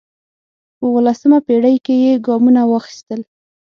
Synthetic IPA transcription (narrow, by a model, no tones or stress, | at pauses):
pəwəlasəmapeɽajkejeɡɑmunawɑxi̥st̪əl